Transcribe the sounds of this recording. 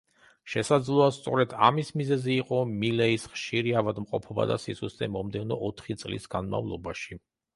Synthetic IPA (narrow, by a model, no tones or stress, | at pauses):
ʃɛsad̪zlˠuast̪sʼɔɾɛd̪a̰mismizɛziːqʼɔmilɛisχʃiɾiavad̪mqʼɔpʰɔba̰d̪a̰sisuszɛmɔmd̪ɛnɔʔɔt̪ʰχit̪sʼlḭsɡ̥anma̰vlˠɔ̰baʃi